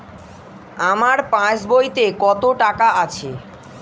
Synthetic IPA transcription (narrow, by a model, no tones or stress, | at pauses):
amaɾpãt͡ɕbojt̪ekɔt̪oʈakaat͡ɕʰe